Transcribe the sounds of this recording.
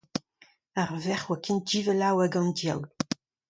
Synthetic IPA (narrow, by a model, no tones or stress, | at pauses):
aʁvɛχwakʰin̚d͡ʒiːvəlawaɡɑ̃ndja̰wl